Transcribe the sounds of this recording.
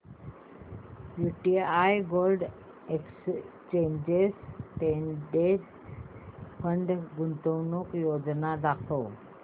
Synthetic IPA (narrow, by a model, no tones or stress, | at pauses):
juʈiajɡolɖ | eks | t͡ɕẽɲd͡ʑesʈeɖe | pʰəɳɖɡunt̪ownukjod͡ʑnad̪akʰo